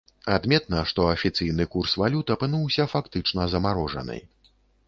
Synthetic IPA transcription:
ad̪mʲɛt̪nɐʂt̪ɔɐfʲit̪sɨjnɨkursvalʲut̪ɐpɨnuwsʲɐfakt̪ɨt͡ʂnɐzɐmaɾɔʐɐ̰nɨ̰j

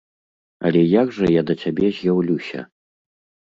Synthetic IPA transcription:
ɐ̰lʲɛjaɡʐɐjad̪ɐt͡sʲabʲɛzʲjawlʲusʲɐ̰

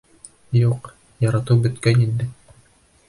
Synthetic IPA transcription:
juq | jɑɾɑt̪ɤwbɵ̆t̪kænind̪ɘ

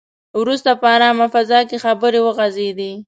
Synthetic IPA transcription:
wɾust̪apəaɾɑmafazɑkexabəɾewəɣazed̪i

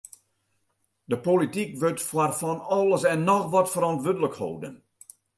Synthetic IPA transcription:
d̥əpolitikʋøtfwarfɔnɔlˠəsɛnːɔxʋɔtfəɾɔntʋødələkho̰wdə̰n

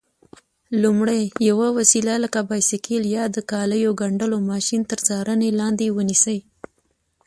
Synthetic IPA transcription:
lumɽajjawawasilaləkabɑjsikiljɑd̪əkɑləjoɡaɳɖəlomɑʃint̪əɾzɑɾənelɑnd̪ewənisəj

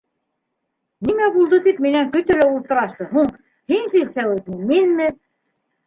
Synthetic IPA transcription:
nimæbulˠd̪ɤt̪ipminæŋkɵ̆t̪ɘlæulˠt̪ɤ̆ɾɑsɤɦuɴ | hinsilsæwɘt̪mɘminmɘ

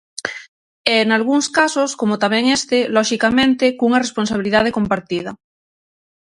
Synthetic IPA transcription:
eːnalɣ̞uŋskasoskomot̪ameŋest̪eloʃikamẽnt̪ekuŋaresponsaβ̞iliðað̞ekompaɾt̪ið̞a

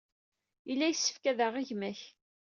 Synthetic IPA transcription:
ilːæjəsːə̥fkæðəʁiʝmæç

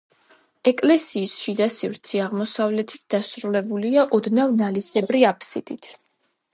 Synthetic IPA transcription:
ɛkʼlɛsiːsʃid̪asivɾt̪sʰiaʁmɔsavlɛt̪ʰi̥t̪̚ʰd̪̥asɾulɛbuliaʔɔd̪navnalisɛbɾiapʰsḭd̪̥it̪ʰ

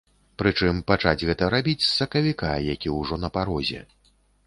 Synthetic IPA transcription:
pɾɨt͡ʂɨmpat͡ʂad͡zʲɣɛt̪ɐɾabʲit͡sʲsɐkɐvʲikajakʲiwʐɔnɐpaɾɔzʲɛ̰

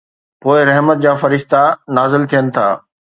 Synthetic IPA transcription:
poːɪɾɐɦmət̪̚d͡ʑaːfɐɾɪʃt̪anaːzɪlt̪ʰijənɪ̆t̪ʰaː

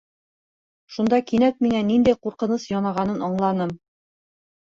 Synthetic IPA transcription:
ʃund̪ɑkinæk̚minænːind̪æjquɾqɤ̆nɤsjɒnɑʁɑnɤnɑɴlˠɑnɤm

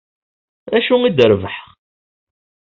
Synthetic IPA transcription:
æʃuŋid̪əɾvəħχ

